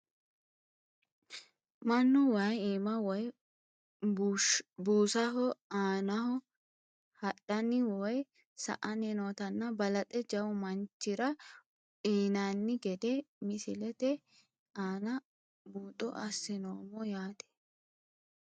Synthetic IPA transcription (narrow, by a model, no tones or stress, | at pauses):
mɐnːɔwajiːmɐwɔj | buːsɐɦɔaːnɐhɔ | hɐɗɐnɪwɔj | sɐ̰ʔɐnɛnoːt̪ɐnːɐbɐlɐt̪ʼɛd͡ʒɐwʊmɐnt͡ʃːɪɾɐ | iːnanːɪɡɛd̪ɛmɪsɪlɛt̪ɛ | aːnɐ | buːt̪ʼːɔ̰ʔɐsːɪnoːmɔjaːt̪ɛ̥